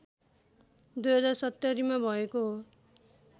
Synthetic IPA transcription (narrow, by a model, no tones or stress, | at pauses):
d̪ujɦʌd͡zarsʌt̪ːʌɾimabʱʌekoɦo